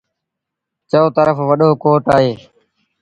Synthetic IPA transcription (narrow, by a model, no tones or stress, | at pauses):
t͡ʃoːt̪əɾəfʋəɗoːkoːʈaːɦeː